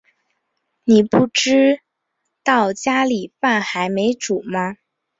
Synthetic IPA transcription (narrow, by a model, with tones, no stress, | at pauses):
ni˨˩pu˥˩ʈ͡ʂɻ̩˥ | t̪ɑ˥˩ʊt͡ɕja˥li˨˩pa˥˩nxa˧˥ɪme˧˥ɪʈ͡ʂu˨˩˦mɐ˦